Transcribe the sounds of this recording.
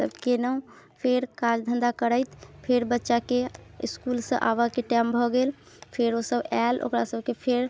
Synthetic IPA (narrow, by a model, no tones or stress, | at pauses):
səbkenəũpʰeɾkad͡ʒd̪ʱənd̪akəɾəɪt̪pʰeɾbətːʃakeḭskulsə̰̃ʔa̰bakeʈambʱɔɡel | pʰeɾosəbalo̰kɾasəb̚ʱkepʰeɾ